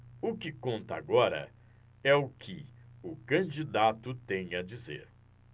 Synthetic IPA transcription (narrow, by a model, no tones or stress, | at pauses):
ʊkɪkõnt̪ɐa̰ɡɔɾɐ̰ | ɛʊkʰɪʊkɐ̃d͡ʒid̪at̪ʊt̪ẽj̃ɐd͡ʒizḛɾ